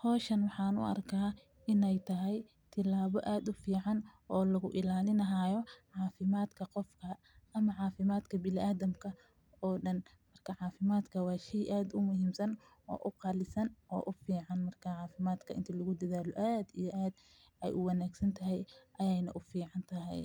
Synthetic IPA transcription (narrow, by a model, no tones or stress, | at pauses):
hɔːʃɐnwɑħɑːnʊ̰ʔɐ̰rkʰaː | ɪnɛjt̪ʰɐɦɛj | t̪ʰɪlaːβɔʔaːd̪ʊfiːʕɑn | ɔːlɐɣʊʔɪlaːlɪnɐɦaːjɔʕɑːfɪmaːd̪kʰɐqɔfkʰɐ | ɐmɐʕɑːfɪmaːd̪kʰɐbɪlɪʔaːðɐmkʰɐ | ɔːɖɐn | mɐrkʰɐʕɑːfɪmaːd̪kʰɐwɑːʃɛjʔaːd̪ʊmʊɦiːmsɐn | ɔ̰ːʔʊqɑːlɪsɐnʔɔːʔʊfiːʕɑnmɐrkʰɐʕɑːfɪmaːd̪kʰɐʔɪ̰nt̪ʰɪlʊɣʊd̪ɐðaːlɔʔaːd̪ijɔʔaːd̪ | ɛjʔʊwɑnaːɡsɐnt̪ʰɐɦɛjʔɐjɛjnɐ̰ʔʊfiːʕɑnt̪ʰɐɦɛ̰j